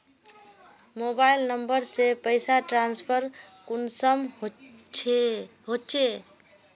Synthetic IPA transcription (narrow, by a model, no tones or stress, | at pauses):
mobailnəmbəɾsepəjsaʈɾanspʰəɾkunsəm | ɦot͡ʃʰe